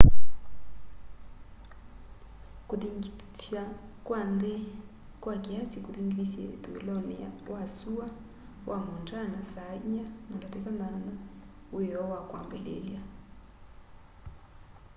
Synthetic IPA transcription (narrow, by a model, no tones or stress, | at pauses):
kuðiŋ | fjakwande | kwakiasikuðiŋɡilisjɛt̪uelɔnɛ̰a̰wasua | wʔamundanasaɲanadatɛkanana | ejɔwakwambɛlḛlja